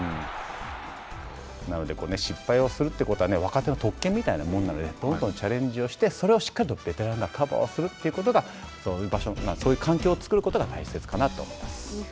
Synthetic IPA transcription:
ɯ̃ɴ | nano̞d̪e̞koːne̞ɕipːaio̞sɨɾɯ̟t̪ːeiɯ̟ko̞t̪o̞ane̞β̞akat̪e̞no̞t̪o̞kːemʲːit̪ainamõnːano̞d̪e̞d̪̥õ̞nd̪õnt͡ɕaɾẽ̞ɲ̟d͡ʑio̞ɕi̥t̪e̞so̞ɾe̞o̞ɕi̥kːaɾʲit̪ob̥e̞t̪e̞ɾãŋɡakʰaba̰o̰sɨɾɯ̟t̪ːe̞iɯ̟ko̞t̪̬o̞ɡa | soːjɯ̟baɕomasoːjɯ̟ːkʰãŋkʲoːt͡sɨ̥kɯ̟ɾɯ̟ko̞t̪oɡat̪aise̞t͡sɨ̥kanat̪ːo̞̰ːmo̞̰imasɨ̥

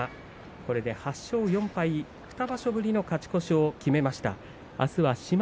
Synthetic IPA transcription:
ko̞ɾe̞d̪e̞haɕːo̞ːjõ̞mpai | ɸɯ̥t̪abaɕo̞bɯ̟ɾʲino̞kat͡ɕi̥ko̞ɕiokʲime̞maɕi̥t̪a̰ | a̰sɨβaɕim

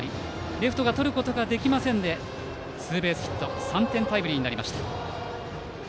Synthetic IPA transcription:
ɾʲi | ɾʲe̞ɸɯ̟̥t̪o̞ɡat̪o̞ɾɯ̟ko̞t̪o̞ɡad̪e̞kʲimasẽ̞nd̪e̞ | sɨːbe̞ːsɨ̥çi̥t̪ːo̞sãnt̪ẽ̞nt̪aibɯ̟ɾʲiɲ̟inaɾʲimaɕi̥t̪a

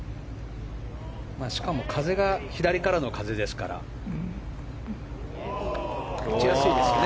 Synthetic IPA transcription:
maːɕi̥kamo̞kʰaze̞ɡaçid̪aɾʲikaɾano̞kaze̞d̪e̞sɨ̥ka̰ɾa̰ | it͡ɕijasɨid̪esɨne

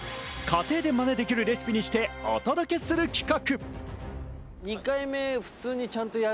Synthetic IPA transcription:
kat̪e̞ːd̪e̞mane̞d̪e̞kʲiɾɯ̟ɾe̞sɨ̥pʲiɲ̟iɕi̥t̪e̞o̰t̪ad̪okʲe̞sɨɾɯ̟kʲi̥kakɯ̟ | ɲikaime̞ɸɯ̟̥t͡sɨːɲ̟it͡ɕãnt̪o̞ja

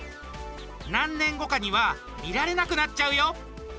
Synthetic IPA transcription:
nãnːẽ̞ŋɡo̞kaɲ̟iβa | mʲiɾaɾe̞nakɯ̟nat͡ɕːaɯ̟jo̞

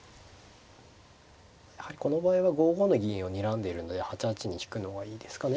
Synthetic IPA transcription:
jahaɾʲiko̞no̞baːiβaɡo̞ːɡo̞no̞ɡʲiĩɰ̃o̞ɲ̟iɾãnd̪e̞iɾɯ̟no̞d̪ehat͡ɕat͡ɕiɲ̟içi̥kɯ̟no̞ɡaiːd̪e̞sɨ̥kane̞

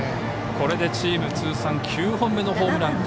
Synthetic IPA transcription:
ko̞ɾe̞d̪e̞t͡ɕiːmɯ̟t͡sɨːsãŋkʲʰɨːɦõ̞mːeno̞ɦo̞ːmɯ̟ɾãnd̪

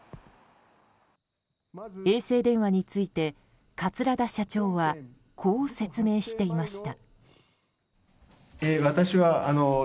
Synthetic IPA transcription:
e̞ːse̞ːd̪ẽ̞ɰ̃βaɲ̟it͡sɨit̪e̞ | kat͡sɨɾad̪aɕat͡ɕo̞ːβa | kʰo̞ːse̞t͡sɨme̞ːɕi̥t̪e̞imaɕi̥t̪a | eβat̪aɕiβaano

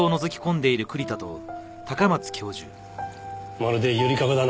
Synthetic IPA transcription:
ono̞zokʲi̥kõ̞nd̪e̞iɾɯ̟kɯ̟ɾʲit̪at̪o̞̰ | t̪akamat͡sɨ̥kʲo̞ːʑɨ̰ː | maɾɯd̪ejɯɾʲikaɡad̪an

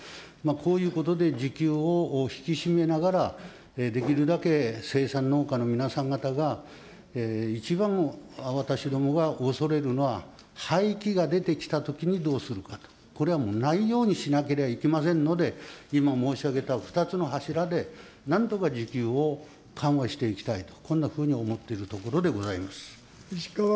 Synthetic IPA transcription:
makʰo̞ːjɯ̟ːko̞t̪o̞d̪e̞d͡ʑikʲɨːo̞çi̥kʲiɕime̞naɡaɾa | ed̪e̞kʲiɾɯ̟d̪ake̞se̞ːsãnːo̞ːkano̞mʲinasãŋɡat̪aɡa | eit͡ɕibãŋaβat̪aɕid̪o̞mo̞ɡaʔo̞so̞ɾe̞ɾɯ̟no̞βa | haikʲiɡad̪e̞t̪e̞kʲi̥t̪at̪o̞kʲiɲ̟id̪o̞ːsɨɾɯ̟kat̪o̥ | ko̞ɾe̞β̞amo̞naijo̞ːɲ̟iɕinake̞ɾe̞baikʲimas̬ẽ̞nːo̞d̪e̞imamo̞ːɕiaɡe̞t̪aɸɯ̥t̪at͡sɨno̞ɦaɕiɾad̪e̞ | nãnt̪o̞kad͡ʑikʲɨːo̞ | kʰãɰ̃βaɕi̥t̪e̞ikʲi̥t̪ait̪o̞̥kõ̞nːaɸɯ̟ːɲ̟io̞mo̞t̪ːe̞iɾɯ̟t̪o̞ko̞ɾo̞d̪e̞ɡo̞zaimasɨ̥

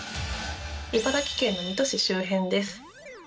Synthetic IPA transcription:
ibad̪akʲi̥kẽ̞nːo̞mʲit̪o̞ɕiɕɨːɦẽ̞nd̪e̞sɨ̥

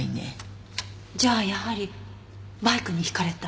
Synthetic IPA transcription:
inḛ | d͡ʑaːjahaɾʲi | baikɯ̟ɲ̟içi̥kaɾe̞t̪a

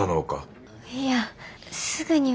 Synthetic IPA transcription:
anoːka̰ | ja | sɨɡɯ̟ɲ̟i

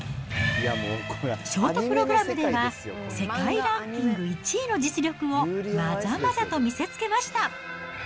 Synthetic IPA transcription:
jakɕo̞ːt̪oppɯɾo̞ɡɯ̟ɾamɯ̟d̪e̞βase̞kaiɾãkʲĩŋɡɯ̟it͡ɕiːno̞d͡ʑit͡sɨɾʲo̞kɯ̟o̞mazamazat̪o̞mʲise̞t͡sɨ̥ke̞maɕi̥t̪a

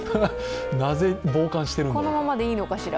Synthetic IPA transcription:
naze̞bo̞ːkãɰ̃ɕi̥t̪eɾɯ̃kono̞mamad̪e̞iːno̞kaɕiɾa̰

